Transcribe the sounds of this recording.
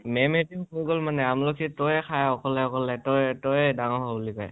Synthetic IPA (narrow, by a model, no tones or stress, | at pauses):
mɛmetiʊkuɹɡɔlmanɛamlɔkʰitɔjɛkʰajɔkɔlɛɔkɔlɛtɔjtɔjdaŋɔɦɔbulikɔj